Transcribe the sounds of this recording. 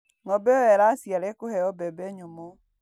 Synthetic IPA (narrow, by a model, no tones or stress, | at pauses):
ŋɔbɛowɛɾasjaɾekohɛɔbɛbɛɲomɔ